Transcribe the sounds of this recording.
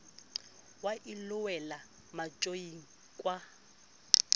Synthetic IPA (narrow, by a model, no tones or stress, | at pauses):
waʔilʊwɛla | mat͡ʃʼojiŋ̩ | kʼwa